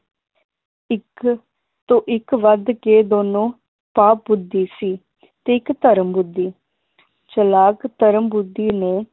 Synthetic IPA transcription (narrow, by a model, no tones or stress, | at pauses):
ɪk | t̪õːʔɪkʋəd̪keːd̪oːnõː | paːp̚bʊd̪ːiːsiː | t̪eːɪkt̪əɾəmbʊd̪ːiː | t͡ʃəlaːkt̪əɾəmbʊd̪ːiːneː